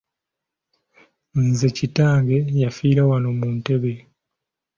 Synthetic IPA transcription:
nzecitaːŋɡe̞jafiːɾawano̞muːnte̞βe

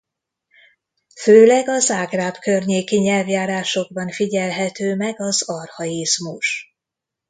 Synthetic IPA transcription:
føːlɛɡɒzaːɡraːbkørɲeːkiɲɛlvjaːɾaːʃo̞ɡ̚bɒnfiɟɛlɦɛt̪øːmɛɡɒzɒrhɒjizmuʃ

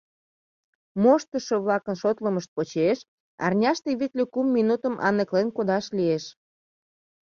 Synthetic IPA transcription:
moʃt̪əʃəβlɑkənʃot̪ləməʃt̪̚pot͡ɕeʃ | ɑ̰rnʲɑʃt̪eβik̪lekumːinut̪əmʔɑ̰nəklenkod̪ɑʃlieʃ

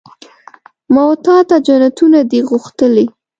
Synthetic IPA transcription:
mawt̪ɑt̪ad͡ʒanat̪unad̪iɣuxt̪əli

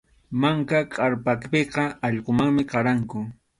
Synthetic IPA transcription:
maŋkakʼaɾpakpeqɑɑʎqomaŋmɪqɑɾaŋkʊ

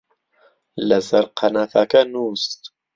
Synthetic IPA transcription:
lɐzɐɾqʰɐnafakɐnuːst̪

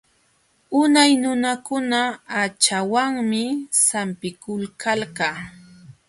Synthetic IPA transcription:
ʊnajnʊnakʊnaat͡ʃawaŋmɪsampɪkʊlkʰalkaː

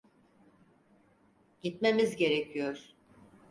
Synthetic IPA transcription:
ɟit̪memizɟe̞ɾecʰijoɾ̥

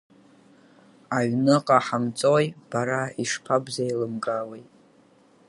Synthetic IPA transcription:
aɥnɨqʼaħamt͡sʼojb̥aɾaiʂpʰabzajlɨmɡʼawejtʼ

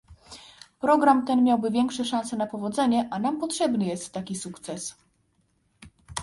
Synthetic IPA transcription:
pɾɔɡɾamt̪ɛnmʲjawbɘvʲjɛŋkʂɛʂãnsɛnapɔvɔd̪zɛɲɛʔanampɔtʂɛbnɘjɛst̪ːakʲisukt̪sɛs

